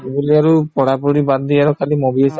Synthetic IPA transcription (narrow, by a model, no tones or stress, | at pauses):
ebuliaɹupɔɽapuɽibad̪d̪iaɾɔkʰalimobis